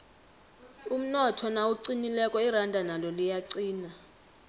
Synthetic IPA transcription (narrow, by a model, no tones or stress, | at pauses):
um̩nɔtʰɔnauǀinilɛkʼɔirandʱanalɔlijaǀiːna